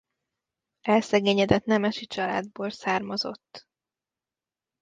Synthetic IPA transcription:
ɛlsɛɡeːɲɛd̪ɛt̪nɛmɛʃit͡ʃɒla̰ːd̪̚boːlsaːrmɒzo̞̰t̪ː

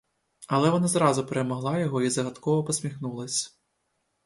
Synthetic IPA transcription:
ɐlˠɛʋɔnazɾɑzʊpɛɾɛmɔɦlˠajɔɦɔizɐɦɐt̪kɔʋɔpɔsʲmʲixnulˠɐsʲ

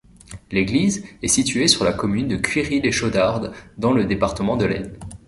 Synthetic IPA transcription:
leɡlizɛsit̪yesyʁlakɔmynd̪əkʰʲɥiʁileʃod̪aʁd̪d̪ɑ̃ləd̪epaʁt̪əmɑ̃d̪əlɛ̰n

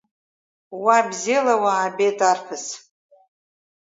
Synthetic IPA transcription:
wabzilawaːbetʰʼarpʰɨs

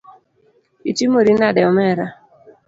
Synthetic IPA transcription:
it͡ʃimoɾinadɛɔmɛɾa

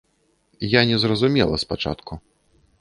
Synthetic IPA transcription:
janʲɛzrɐzumʲɛlˠɐ̰spat͡ʂa̰t̪kʰu

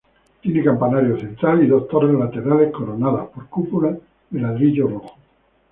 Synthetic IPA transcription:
t̪jinekampanaɾjoθent̪ɾaliðost̪oɾelat̪eɾalehkoɾonaðapoɾkupula | ðelaðɾiʎoroxo̥

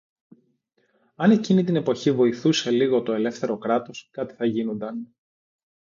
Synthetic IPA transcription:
ɐne̞cinit̪ine̞po̞çivo̞iθuse̞liɣo̞t̪o̞e̞le̞fθe̞ɾo̞kɾɐt̪o̞skɐt̪i̥θɐʝinond̪ɐn

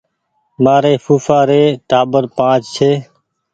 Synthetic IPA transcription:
maːɾeːfuːfaːɾeːʈaːbəɾpãːt͡ʃt͡ʃʰeː

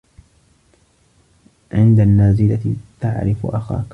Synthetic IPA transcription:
ʕɪnd̪anːaːzɪlat̪t̪aʕɾɪfʔaxa̰ːk

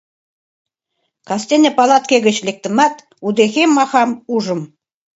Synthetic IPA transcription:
kɑst̪enʲə̆pɑlˠɑt̪̚keɣə̆t͡ɕlʲek̚t̪ə̆mɑt̪ | ud̪exemːɑxɑmuʒə̆m

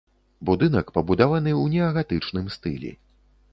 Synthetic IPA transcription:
bud̪ɨn̪ɐkpɐbud̪avanɨwnʲɛɐɣat̪ɨt͡ʂnɨmst̪ɨ̰lʲɛ̰

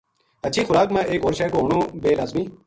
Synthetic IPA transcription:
ətːʃʰiːxʊɾaːkmɛ̃ːʔeːkoːɾʃɛːkoːɦoɳõːbeːlaːzmiː

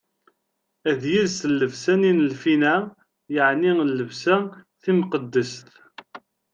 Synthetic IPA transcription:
æðjilsəlːəvsæninəlfinæ | jəʕnilːəvsæθimqəd̪ːəst̪

